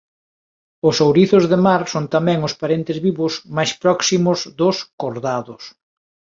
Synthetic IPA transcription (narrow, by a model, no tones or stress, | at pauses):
ʊsowɾiθʊzðemaɾsont̪amɛ̃ŋʊspaɾent̪ɪzβiβʊzmajspɾɔksimʊzðʊskoɾðaðʊs